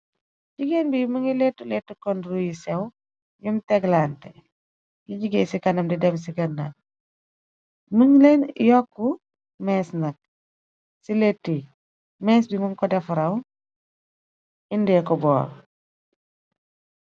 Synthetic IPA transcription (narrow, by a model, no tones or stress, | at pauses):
ɟiɡenbimuŋilɛtːulɛtːukɔndɾujisɛw | jumtɛɡlaːntɛ | jiɟiɡesikɐnɐmdidɛms̬iɡɐnːa | məŋlɛnjɔkːu | mɛːsnɐk̚ | siletːi | mɛsbimɐŋkɔdɛfɾɐw | indɛːkɔbɔ̰ːl